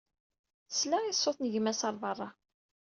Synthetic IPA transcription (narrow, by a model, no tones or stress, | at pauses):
slaisˤːoθnəʝəmæsɑɾˤvɑrˤːɑ